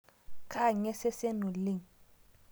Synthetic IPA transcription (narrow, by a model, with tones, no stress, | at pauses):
kʰa˦˨ɲɛ˦se˦se˦nu˨lɪ˦˨ŋ